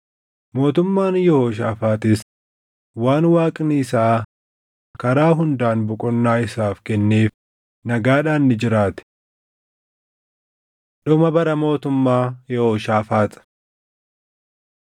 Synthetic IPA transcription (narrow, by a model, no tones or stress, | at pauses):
mo̞ːt̪ʊmːaːnjɔhoːʃ̬aːfaːt̪ɪs | waːnwaːkʼniːsaː | kɐɾaːɦʊnd̪aːnbʊkʼɔnːaːɪsaːfkɛnːe̞ːf | nɐɡaːᶑaːnːɪd͡ʒɪɾaːt̪ɪ̥ | ᶑɔmɐbɐɾɐmo̞ːt̪ʊmːaːjɔhoːʃaːfaːt̪ʼɐ̥